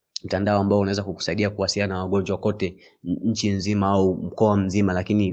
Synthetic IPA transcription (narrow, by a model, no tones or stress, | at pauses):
m̩tandaɔambaɔunawɛzakuku̥saiɗiakuwasiljanawaɠɔɲd͡ʒwakɔtɛ | ɲ̩t͡ʃinzimaaum̩kɔam̩zimalakini